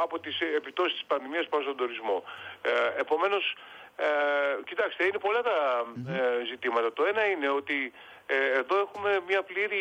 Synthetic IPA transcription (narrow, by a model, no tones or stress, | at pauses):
ɐpo̞t̪isepit̪o̞sist̪i̥spɐnðimiɐspɐost̪od̪oɾizmo̞ | e̞po̞me̞no̞s | cit̪ɐkst̪eine̞po̞lɐt̪ɐ | zit̪imɐt̪ɐt̪o̞e̞nɐine̞o̞t̪iː | ðo̞e̞xume̞mɲɐpliɾi